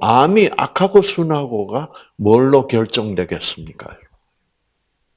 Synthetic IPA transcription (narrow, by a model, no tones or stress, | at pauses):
amiʔa̰kʰaɡosʰunɦaɡoɡa | mʌɭːʌkjʌɭt͡ɕ͈ʌŋdwe̞ɡe̞s͈ɯmɲik͈a̰